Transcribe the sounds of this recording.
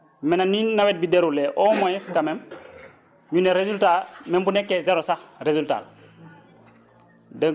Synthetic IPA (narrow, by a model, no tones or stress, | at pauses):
menaninawet̚bideɾuleʔoːmojiskamem | ɲuneɾezultamembunekːezeɾosaxɾezulta̰ːl | dəŋ